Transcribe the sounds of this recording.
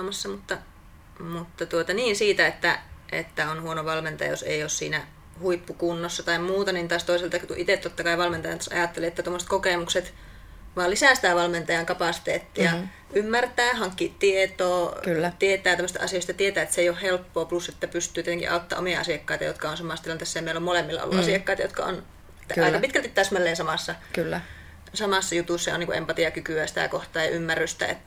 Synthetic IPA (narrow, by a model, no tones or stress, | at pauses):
mɑsːɑmut̪ːɑ | mut̪ːɑt̪uot̪ɑniːnsiːt̪æet̪ːæʔḛt̪ːæonhuonoʋɑlment̪ɑjɑ̰jo̰sḛioːssḭːnæ | huipːukunːosːɑt̪ɑimmuːt̪ɑnint̪ɑːst̪oiselt̪ɑkikuʔit̪eˑt̪t̪ot̪ːɑkɑiʋɑlment̪ɑjɑnt̪ɑsɑ̰jɑˑt̪ːelieet̪ːæt̪omːose̥t̪kokeˑmukset̪ | ʋɑːlisæˑst̪æˑʋɑlment̪ɑjɑŋkɑpɑˑsi̥t̪ḛːt̪ːijjɑ | ʔymːært̪æːhɑŋkːit̪iet̪oːklːt̪iet̪æːt̪æmːøst̪ɑ̰ɑ̰sijoˑist̪ɑt̪iet̪æːet̪seijohhelpːoːpluset̪ːæpyst̪ˑyːt̪iet̪eŋkḭʔɑot̪ːɑ̰ʔomiɑɑ̰siɑkːɑit̪ɑ̰jo̰t̪kɑonsɑmɑˑst̪ilɑnt̪esːæemeilomolemːilːɑ̰o̰lːṵʔɑsiˑɑkːɑit̪ɑjo̰t̪kɑ̰o̰n | t̪ʔɑikɑpit̪kælt̪it̪t̪æsmælːeːnsɑmɑsːɑkylː | sɑmɑˑsːɑjut̪uˑsːɑjo̰niːkuʔḛmpɑt̪iɑkykyæsi̥t̪æ̰ˑkoht̪ɑːjɑ̰ʔymːærːˑyst̪æ̰ḛt̪ː